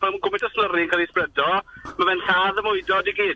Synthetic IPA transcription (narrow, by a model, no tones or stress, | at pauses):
alˠmuɡʊmɪdɔsnərɪŋkaːlisprɛdɔmavɛnɬaːðəmʊɨdɔdiɡiːd̥